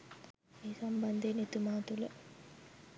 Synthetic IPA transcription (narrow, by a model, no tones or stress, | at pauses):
eːsɐmbɐnd̪eːnet̪umaːt̪ulɐ